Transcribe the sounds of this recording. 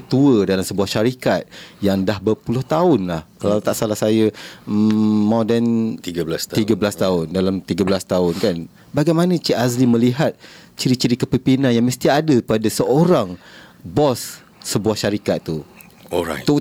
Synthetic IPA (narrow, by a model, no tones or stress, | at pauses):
kət̪uədalamsəbuahʃaɾikat̪̚jaŋdahbərpulʊht̪aʊnlahkalawt̪aʔsalahsajə | mɔdɛnt̪iɡlasiɡabəlast̪aʊndalamt̪iɡabəlast̪aʊnkan | baɡajmanə̃t͡ʃiʔazliməliɦat̪̚t͡ʃiɾit͡ʃiɾikəpimpinanjaŋməst̪iadəpadasəoɾaŋbɔsː | əbuahʃaɾikat̪ːu | ɔa̰u